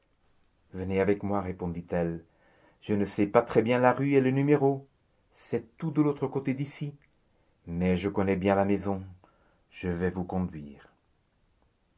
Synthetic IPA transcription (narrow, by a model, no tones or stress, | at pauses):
vəneavɛkmwaʁepɔ̃d̪it̪ɛl | ʒ̥ənəsɛpat̪χɛbjɛ̃laʁyelənymeʁo | sɛt̪ud̪əlot̪χəkot̪ed̪isi | mɛʒəkɔnɛbjɛ̃lamɛzɔ̃ | ʒ̥əvɛvukɔ̃d̪ɥiːʁ